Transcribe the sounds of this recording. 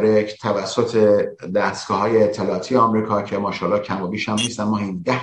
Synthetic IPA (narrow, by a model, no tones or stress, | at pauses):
ɾecʰt̪ʰævæsːot̪ʰed̪æst̪ɡ̥ɒːɦɒːjeːt̪ʰːe̞lɒːt̪ʰijeɒmɾiːkʰɒːcʰemɒːʃɒːlːɒːcʰæmɒbiːʃhæmniːst̪ænmɒːhind̪æ